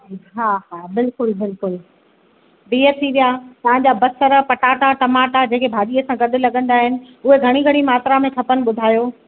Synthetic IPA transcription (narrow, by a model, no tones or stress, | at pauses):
ikɦaɦaːbɪlkʊlbɪlkʊl | biːət̪ʰiʋijat̪ɐɦãɲ̆d͡ʑaːbɐsəɾəpɐʈaːʈaʈɐmaːʈad͡ʑẽːkebʱaːɗiːəsãɡɐɗʊ̆lɐɠə̃nd̪aːɦɪnɪ̆ | ʊɦeɡʱɐɽ̃iɡʱɐɽ̃imaːt̪ɾamẽkʰɐpənɪ̆ɓʊd̪ʱaːjoː